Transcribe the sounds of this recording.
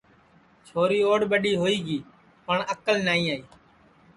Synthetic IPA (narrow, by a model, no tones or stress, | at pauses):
t͡ʃʰoːɾiːoːɽɓəɗiːɦoːiːɡiː | pəɳəkəlnaːĩːaːiː